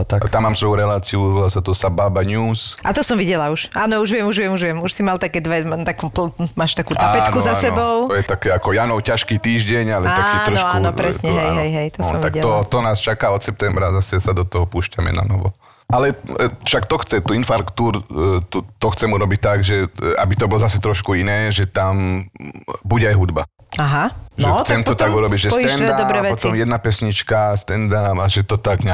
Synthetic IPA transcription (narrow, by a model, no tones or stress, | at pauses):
t̪at̪amːaːmsʋɔjuɾɛlaːt͡siuɾbilasat̪ɔsabaːbaɲuːsʔat̪ɔsɔmʋiɟɛlauʃaːnɔuʒʋɛmuʒʋɪɛmuʒʋɪɛmuʃsimalt̪akɛːd̪ʋɛmt̪akuplmaːʃt̪akuːt̪apːɛnkuzasɛbɔʊɔjɛt̪akɛːakɔjanɔʊcaʃkiːt̪iːʒɟɛɲalɛt̪akiːt̪ɾɔʃɔkauːnɔpɾɛsɲɛɦɛjɦɛjɦɛjt̪ɔsɔmt̪akiɛt̪ɔt̪ɔnaːst͡ʃakaːɔt̪sɛp̚t̪ɛmbɾazasɛsad̪ɔt̪ɔɦɔpuːʃcamɛ̰na̰nɔ̰ʋɔ̰ | ʔalɛfʃakt̪ɔxt͡sɛt̪uinfaɾkt̪uːɾt̪ut̪ɔxt͡sɛmuɾɔbic̚t̪aɡʒɛa̰bit̪ɔbɔlɔzasɛt̪ɾɔʃkuinɛːʒɛt̪am | buɟɛajɦud̪ba̰aɦaʒɛxt͡sɛmt̪ɔt̪aɡuɾɔbiɟʒɛsst̪ɛnd̪adɔɾɛpɔt̪ɔmjɛd̪napɛsɲit͡ʃkast̪ɛnd̪amaʒɛt̪ɔt̪aɡɲa